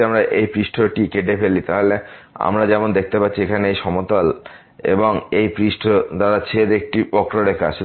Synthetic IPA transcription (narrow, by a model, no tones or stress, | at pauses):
amɾaʔejpɾiʃʈʰoʈikeʈ̬epelit̪aɦolea̰mɾad͡ʑɛmond̪ek̚ʰt̪epatːɕʰiekʰaneejʃɔmot̪al | ḛboŋejpɾiʃʈʰod̪aɾat͡ɕʰeɾek̚ʈipɔkʈoɾekad͡ʑʰ